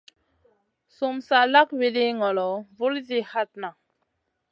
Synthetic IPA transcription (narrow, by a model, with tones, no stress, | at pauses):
su˨msa˨la˦kwe˨di˦ŋɔ˨lɔ˨vu˦lzi˦ha˦t̚na˨